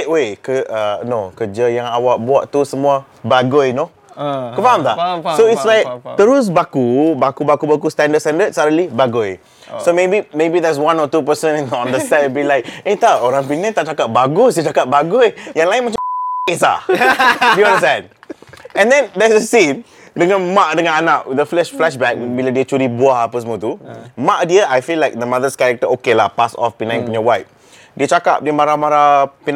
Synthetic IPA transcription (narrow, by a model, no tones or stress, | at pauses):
ʔwekəʔanokəd͡ʒəjãŋawaʔ̚buaʔt̪usəmua | baɡʊjno | kəpamt̪asoɪtslajk̚t̪əɾʊs̬bakubakubakubakust̪ɛ̃ndəd̚st̪ɛ̃ndəd̚saɾəlibaɡʊj | somebimebid̪ɛs̬wãnɔt̪up̬əsə̃nɛ̃noãndəst̪ɛ̃nbilajk̚et̪aoɾãŋp̬inɛ̃t̪aʔt͡ʃakat̪̚baɡʊs̬diət͡ʃakat̚baɡʊjjãŋlajɪ̃nmat͡ʃaesa̰ | diɔ̃ndəs̬tɛ̃d̚ | ɛ̃ndɛ̃nd̪ɛsəsĩn | dəŋãnmaʔ̚dəŋãnanaʔwɪdəflɛʃflɛʃbɛk̚wilədiət͡ʃuɾibuahapəsmot̪umaʔdiəʔajfilajk̚d̪əmad̪əskaɹɛk̚təʔokelapasɔ̰fpinãninɔwajp̚ | diət͡ʃaka̰p̚diəmaɾamaɾapin